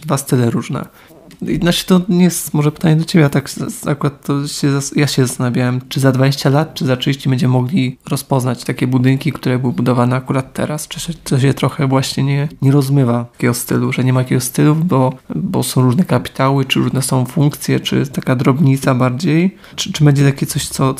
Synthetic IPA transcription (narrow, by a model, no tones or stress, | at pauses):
d̪vast̪ɘlɛɾuʐnɛ̰ | jɛ̰d̪naʂɛ̥t̪ɔɲɛjɛst̪mɔʐɛpɘ̥t̪aɲɛd̪ɔt͡ɕebʲɛat̪aka̰kuɾat̪ːɔɕɛzajaɕɛzast̪anabʲjawɛmt͡ʂɘzad̪vad͡ʑeɕt͡ɕalat̪t͡ʂɘzat͡ʂɨvʲiɕt͡ɕɛbɛɲd͡ʑɛmmɔɡlʲiɾɔspɔznat͡ɕt̪akʲɛbud̪ɘŋkʲikt̪uɾɛbɘwɘbud̪ɔvanɛakuɾat̪ːɛ̰ɾast͡ʂɨɕɛt̪ɔɕɛt̪ɾɔxɛvwaɕɲɛɲɛɲɛɾɔzmɘvaakʲɛɡɔst̪ɘluʐɛɲɛmat̪akʲɛɡɔst̪ɘlubɔbɔ̰sɔ̃w̃ɾuʐnɛkapʲi̥t̪awɘt͡ʂɨɾuʐnɛsɔ̃w̃fuŋkt̪sʲjɛ̰t͡ʂɘ̰t̪akad̪ɾɔbɲit̪sabaɾd͡ʑej | t͡ʂɘbɛɲd͡ʑɛt̪akʲɛt̪sɔɕt̪sɔ